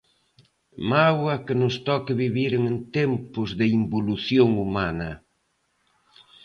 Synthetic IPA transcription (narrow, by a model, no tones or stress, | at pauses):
mawɐkɪnʊst̪ɔkɪβiβiɾeŋent̪ɛmpʊzðɪimboluθjoŋumanɐ